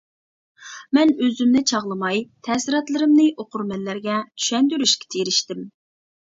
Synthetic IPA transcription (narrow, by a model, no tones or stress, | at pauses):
mɛnøzymnɪt͡ʃʰɑʁlˠɨmɑjt̪ʰɛsɾɑt̪lˠɨɾɨmnɨʔoqʊɾmɛlːæɾɡʲɛt̪ʰy̥ʃɛnd̪yɾyʃkʲe̥t̪ʰeɾɪʃt̪ɪm